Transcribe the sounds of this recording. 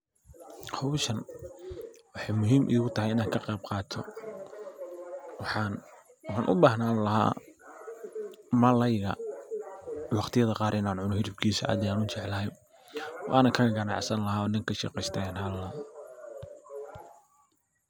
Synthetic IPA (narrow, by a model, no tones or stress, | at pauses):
hɔwʃɐn | wɑħɑjmʊɦiːmʔɪ̰ðɪɣʊt̪ʰɐhɛjɪnaːŋkʰɐqɛjb̚qɑːt̪ʰɔ̰ | wɑħɑːnʔʊ̰baːɦnaːnlɐɦa̰ː | mɐlɛjɣɐ̰ | wɑqt̪ʰɪjɐðɐqɑːɾʔɪnaːnʕʊnɔhɪɾɪb̚kʰiːsɐʔa̰ːd̪ɛaːnʊt͡ʃɪʕlɐɦɛj | wʔɑ̰ːnɐkʰɐɣɐɡɐnɑʕsɐnlɐɦaːɔːɖɐŋkʰɐʃɛ̰qɛjst̪ʰɐaːnhɐllɐ